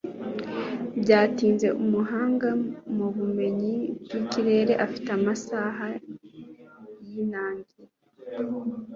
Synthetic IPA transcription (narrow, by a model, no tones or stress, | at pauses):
bɟaːtiːnze̞ʔumuɦaːŋɡamuβume̞ɲibɡiciɾe̞ːɾe̞ʔafi̥teamasaɦa | jinaːŋɡi